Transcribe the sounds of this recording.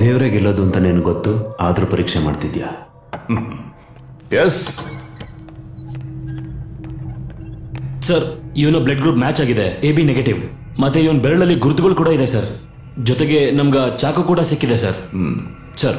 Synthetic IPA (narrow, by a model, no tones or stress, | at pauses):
d̪eːʋɾeːɡɛlːoːd̪uɐnt̪ɐneːnuɡot̪ːuaːd̪ɐɾupɐɾiːkʂema̰ːɖt̪id̪jaː | jes | sɐɾiʋɐnubleɖɡɾuːpmaːt͡ʃaːɡid̪e̞eːbineɡeʈiʋ | mɐt̪ːeiʋɐnbeɾɐɭɐlːiɡuɾut̪uɡɐɭkuːɽɐid̪esɐɾ | d͡ʒɔt̪eɡe̞nɐmɡɐt͡ʃaːkɐkuːɽɐsikːid̪esɐɾ | sɐɾ